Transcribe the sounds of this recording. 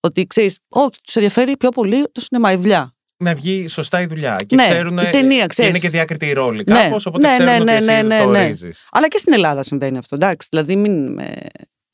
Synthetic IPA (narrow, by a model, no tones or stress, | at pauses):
o̞t̪ikse̞ɾiso̞çi̥t̪u̥seðʝɐfe̞ɾipço̞po̞liot̪osinemɐiðuʎɐ | nɐvʝiso̞st̪ɐiðuʎɐ̰ceneseɾuneit̪e̞niɐkseiɾinesceðiɐkɾit̪iːɾo̞likne̞osoponeenenenene̞ne̞izḭsɐ̰lɐcest̪ine̞lɐðɐsiɱve̞niɐft̪o̞d̪ɐksi̥ðilɐðiminmḛ